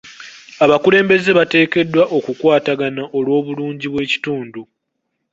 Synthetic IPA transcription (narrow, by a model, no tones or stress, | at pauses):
aβakule̞ːmbe̞ze̞βate̞ːke̞dːwaʔo̞kukwaːtaɡanaʔolwo̞ːβuluːɲɟiβwe̞ːci̥tuːndu